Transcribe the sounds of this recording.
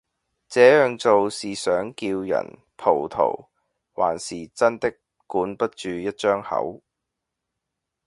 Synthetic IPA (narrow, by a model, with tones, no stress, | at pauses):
t͡sɛː˨˥jœː˨ŋt͡so˨wsiː˨sœː˨˥ŋkiː˧wjɐ̰˨˩n | pʰo˨˩wt̪ʰo̰˨˩w | wa̰ː˨˩nsiː˨˩t͡sɐ˥nt̪ɪ˥k | kːuː˨˥npɐ˥t̚t͡ʃyː˨˧jɐ˥t̚t͡ʃœː˥ŋhɐ̰˨˥w